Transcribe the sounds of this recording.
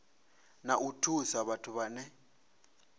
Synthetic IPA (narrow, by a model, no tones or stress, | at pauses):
naʔutʰusaβatʰuβanɛ